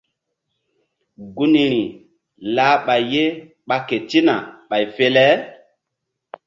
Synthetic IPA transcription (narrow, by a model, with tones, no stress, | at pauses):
ɡu˦ni˨ɾi˨ | laː˦ɓa˨jːe˦ | ɓa˨ke˨ti˦na˨ɓa˨jfe˦lɛ˦